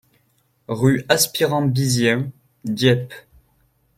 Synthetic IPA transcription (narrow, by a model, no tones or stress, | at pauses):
ʁyaspiʁɑ̃bizjɛ̃ | d̪jɛp